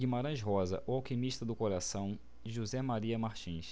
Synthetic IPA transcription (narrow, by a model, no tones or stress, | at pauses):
ɡimaɾɐ̃ʃɦɔzɐ̰ʔʊawkimiʃt̪ɐd̪ʊkoɾasɐ̃w̃ | ʒuzɛmaɾiɐmaɾt͡ʃĩʃ